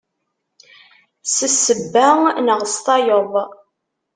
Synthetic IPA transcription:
səsːəbːænəʁəst̪ɑjoðˤ

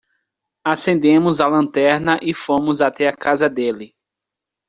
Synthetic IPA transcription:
asẽnd̪ẽmʊzalɐ̃nt̪ɛɾnɐʔɪfõmʊzat̪ɛakazɐd̪elɪ

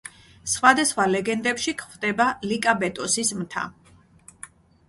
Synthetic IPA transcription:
sχwad̪asχwalɛɡɛnd̪ɛpʃikʰvd̪ɛbalikʼabɛt̪ʼɔsismt̪ʰa̰

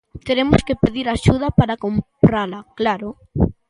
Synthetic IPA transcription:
t̪eɾemʊskepeðiɾaʃuð̞ɐpaɾakompɾalɐklaɾo

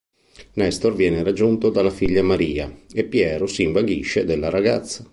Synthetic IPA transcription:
nɛst̪orvjɛːneɾad͡ʒːunt̪od̪alːafiʎːamaɾiːa̰epːjɛːɾosiːɱvaɡiʃːed̪elːaɾaɡat̪sːa

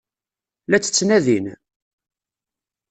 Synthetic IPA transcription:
læt͡sːə̥t͡sːnæðin

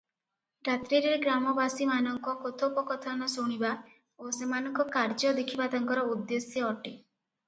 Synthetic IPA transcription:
ɾat̪ɾiɾeɾeɡɾamɔbasimanɔŋkɔkot̪ʰopɔkɔt̪ʰanɔsuɽ̃iba | osemanɔŋkɔkaɾd͡ʒɔd̪ekʰibat̪aŋkɔɾɔud̪ːesjɔɔʈe

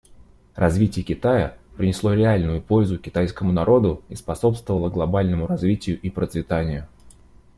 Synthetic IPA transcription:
rɐzvʲitʲɪjəkʲɪt̪ajəpɾʲɪnʲɪslˠo̞ɾʲɪalʲnʊjʊpo̞lʲzʊkʲɪt̪ajskəmʊnɐɾo̞d̪ʊispɐso̞pst̪vəvəlˠəɡlˠɐbalʲnəmʊɾɐzvʲitʲɪjʊʔipɾət̪svʲɪt̪anʲɪjʊ

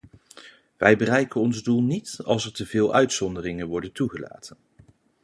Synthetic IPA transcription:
ʋɛjbərɛjkənɔnzdulˠnitɑ̰lˠsəɹtəvɪːlˠʔœɥtsɔndərɪŋənʋɔɹdəntuχəla̰ːtən

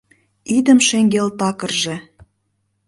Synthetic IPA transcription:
id̪ə̆mʃeŋɡelt̪ɑkə̆rʒĕ

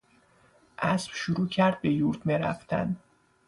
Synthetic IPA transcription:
ʔæsb̥ʃuɾuːcʰæɾd̪̥̚be̞juɾt̪ʰmeɾæ̰ft̪ʰæ̰n

